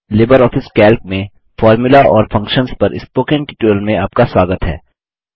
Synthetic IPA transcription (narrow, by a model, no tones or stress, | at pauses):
leːbəɾɔːfʰɪskɛːlk̚mẽ | fɔːɾmʊlaʔɔ̰ːɾfʰɐ̃ŋkʃənspɐɾʔɪ̰spoːkẽɳʈɪʈuəlmẽaːp̚kaswaːɡət̪ɦɛ̰ː